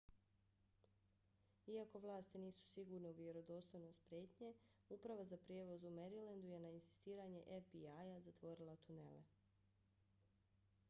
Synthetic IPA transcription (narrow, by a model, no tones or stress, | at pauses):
iako̞ʋlˠaːst̪iniːsu̥siɡuɾneuʋje̞ɾo̞d̪o̞st̪ojnost̪pɾʲje̞ːt̪ɲe̞ | upɾaʋazapɾjeʋo̞zumeɾilend̪uje̞nainsi̥st̪iːɾaɲe̞ʔefbiajazat̪ʋo̞ɾilˠat̪une̞̰lḛ